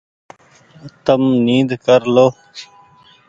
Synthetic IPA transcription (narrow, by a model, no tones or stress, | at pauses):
t̪əmniːd̪kəɾloː